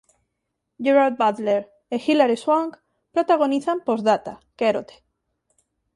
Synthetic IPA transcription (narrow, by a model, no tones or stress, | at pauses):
ɟ͡ʝeɾaɾd̪̚baðleɾ | exilaɾeswaŋk | pɾot̪aɣo̞niθampozðat̪akeɾot̪e̥